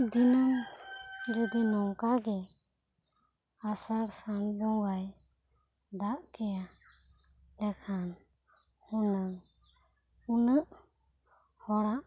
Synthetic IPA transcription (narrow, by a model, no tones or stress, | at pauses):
d̪inam | d͡ʒud̪inɔŋkaɡɛ | asaɾsand͡ʒɔŋɡaj | d̪aʔkɛja | lɛkʰan | hunəŋ | unəʔ | hɔɾaʔ